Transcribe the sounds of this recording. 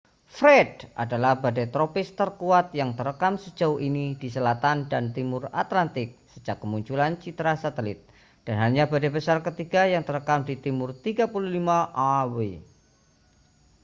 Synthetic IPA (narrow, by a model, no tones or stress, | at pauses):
fɾɛdʔa̰dalahbadajt̪ɾopɪst̪ərkuat̪̚jaŋt̪əɾəkamsəd͡ʒauinidisəlat̪andant̪imʊra̰t̪lant̪ɪk̚səd͡ʒakːəmuɲt͡ʃulant͡ʃit̪ɾasat̪əlɪt̪̚ | d̥anɦaɲabadabəsarkət̪iɡajaŋt̪ərəkamdit̪imʊrt̪iɡapululimaʔawe